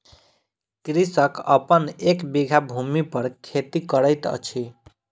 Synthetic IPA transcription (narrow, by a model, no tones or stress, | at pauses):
kɾisʌkʌ̰pənekbiɡʱabʱumipʌɾkʰet̪ikʌɾəjt̪ʌ̰t͡ʃʰi